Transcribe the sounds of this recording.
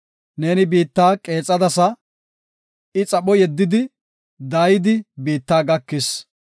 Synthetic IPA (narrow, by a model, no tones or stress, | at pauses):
ne̞ːnɪbiːt̪ːaːkʼe̞ːt͡sʼːɐd̪ɐsɐ | ɪt͡sʼɐɓɔjɛd̪ːɪd̪ɪ | d̪aːjɪd̪ɪbiːt̪ːaːɡɐkːɪs